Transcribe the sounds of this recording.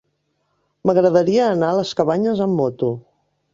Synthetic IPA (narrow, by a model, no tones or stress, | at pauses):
məɣɾəðəɾiəːnaləskəβaɲəzəmːɔt̪u